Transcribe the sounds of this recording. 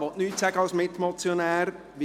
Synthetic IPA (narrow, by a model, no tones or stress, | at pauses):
ʋɔʔnyːtsæɡəɑlsmɪtːmɔt͡sjonæːɾ | ʋi